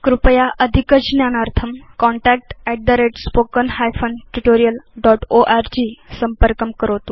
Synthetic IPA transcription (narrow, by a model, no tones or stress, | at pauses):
kɾupəjaʔəd̪ʱikəd͡ʑnjanaɾt̪ʰəmkɔɳʈæk̚ʈɛʈ̚d̪əɾeʈspokənhajfənʈuʈoɾijəlɖɔʈoʔaɾd͡ʑisəmpəɾkəmkəɾot̪u